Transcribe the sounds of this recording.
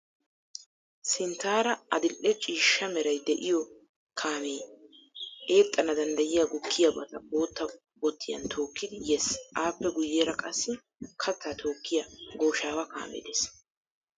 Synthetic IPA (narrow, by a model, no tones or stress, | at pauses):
sɪnt̪aːɾɐɐd̪ɪlʔɛt͡ʃʼiːʃːɐmɛɾɐjd̪ɛʔɪjɔ | kʰaːmeː | e̞ːt̪ʼːɐnɐd̪ɐnd̪ɐjɪjaɡʊkʰːɪjɐbɐt̪ɐbo̞ːt̪ːɐ | bɔt̪ʰːɪjɐ̰nt̪ʰo̞ːkːɪd̪ɪjɛsʔaːpːɛɡʊjːeːɾɐkʼɐsːɪ | kʰɐt̪ːaːt̪ʰo̞ːkːɪjɐɡo̞ːʃaːwɐka̰ːmɛ̰d̪eːs